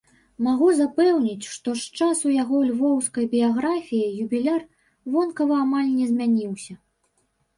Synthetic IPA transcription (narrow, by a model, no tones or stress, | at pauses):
maɣuzapɛwnʲit͡sʲʂt̪ɔʂt͡ʂasujaɣɔlʲvɔwskɐjbʲijaɣɾafʲijijubʲilʲar | vɔnkɐvɐːmalʲnʲɛzʲmʲanʲiwsʲɐ